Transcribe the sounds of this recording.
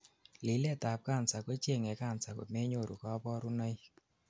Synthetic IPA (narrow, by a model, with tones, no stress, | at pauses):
lɪ˨˦lɛ˦˨ta˨p̚ka˦˨nsa˨kɔ˦t͡ʃe˦˨ŋɛ˨ka˦˨nsa˨kɔ̰˨tmɛ˦ɲo˦˨ɾṵ˨kɔ˦bɔ˦ɾu˦nɔ˦j